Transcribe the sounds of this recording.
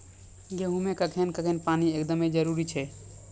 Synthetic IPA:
ɡeɦũmekəkʰenkəkʰenpaniekd̪əmed͡ʒəɾuɾit͡ʃʰɛ

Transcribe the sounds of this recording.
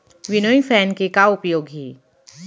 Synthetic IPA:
ʋɪnojfʰɛːnkekaʊpjoːɡɦiː

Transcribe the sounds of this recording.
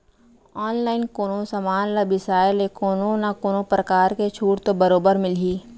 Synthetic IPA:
ɔːnlaːɪnkoːnõsɐmaːnlɐbɪsaːɪlekoːnõnakoːnõpɾəkaːɾket͡ʃʰuːʈt̪obɐɾoːbəɾmɪlɦiː

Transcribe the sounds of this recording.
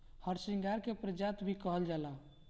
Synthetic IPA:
həɾsĩŋɡaɾkepɾəd͡ʒat̪bʱikəɦəld͡ʒala

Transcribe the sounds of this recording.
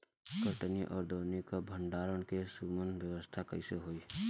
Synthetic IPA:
kəʈniʔɔːɾd̪oːnekabʱəɳɖaːɾəɽ̃kesuːmənʋjəwəst̪ʰakəiseɦoːiː

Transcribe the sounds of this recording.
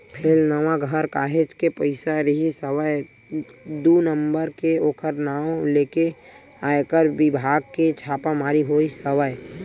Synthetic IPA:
pʰeːlnəʋaɡʱəɾkaːɦet͡ʃkepəɪsaɾəɦisəwəj | d̪unəmbəɾkeoːkʰəɾnaːoleːke | aːekəɾʋɪbʱaːɡ̚ket͡ʃʰaːpamaːɾiɦoːisəʋəj

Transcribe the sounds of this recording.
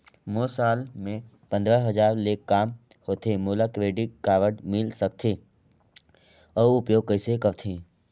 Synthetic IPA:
moːsaːlmẽ | pə̃nd̪ɾəɦəd͡ʒaːɾleːkːaːm | hoːt̪ʰẽmuːlakɾeːɖɪʈ̚kaːʋəʈmɪlsək̚t̪ʰe | əʊpjoːɡ̚kəɪsekəɾt̪ʰẽː

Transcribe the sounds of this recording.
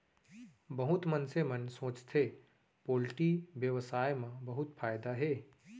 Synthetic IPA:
bɐɦʊt̪mɐnsemɐnsõːt͡ʃt̪ʰeː | poːlʈiʋjəʋsaːjmãbɐɦʊt̪fʰaːjd̪aɦeː

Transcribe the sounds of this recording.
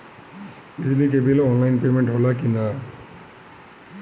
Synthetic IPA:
izinik̬ebilɔnlajnpemenʈɦolakina

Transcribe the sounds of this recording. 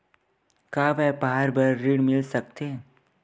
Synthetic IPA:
kaːʋɛːbaɦaɾbəɾːiɽmɪlsək̚t̪eː

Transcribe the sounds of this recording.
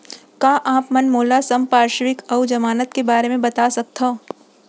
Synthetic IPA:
kaːʔaːpmɐnmoːlasɐmpaːɾʃʋɪkɐwd͡ʒɐmaːnət̪kebaːɾemẽbɐt̪asɐk̚t̪ʰã

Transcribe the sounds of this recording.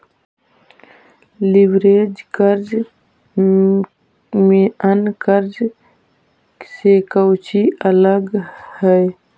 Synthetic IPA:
liwɾeːd͡ʒkəɾd͡ʒ | mẽənkəɾd͡ʒ | sekəwt͡ʃiʔələɡhəj

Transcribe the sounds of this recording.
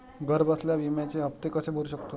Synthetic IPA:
ɡəɾbəsljaʋimjat͡ɕeɦəp̚t̪ekəsebʱoluɕəkt̪o

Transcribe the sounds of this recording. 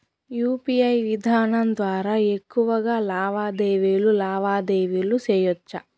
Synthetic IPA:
juːpiɐjʋid̪ʱaːnɐmd̪ʋaːɾaːekːuʋɐɡaːlaːʋaːd̪eːʋilulaːʋaːd̪eːʋilusɛːjɔt͡ʃːɐ

